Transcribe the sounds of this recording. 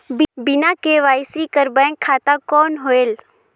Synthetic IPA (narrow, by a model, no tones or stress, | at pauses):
bbɪnakeʋaːjsikəɾbə̃nkʰaːt̪akɔːnɦoeːl